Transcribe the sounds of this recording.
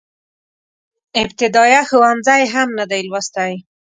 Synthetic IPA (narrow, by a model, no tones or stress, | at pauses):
ɪbt̪ɪd̪ɑjaxʊwanzajɦamnad̪ajlwast̪aj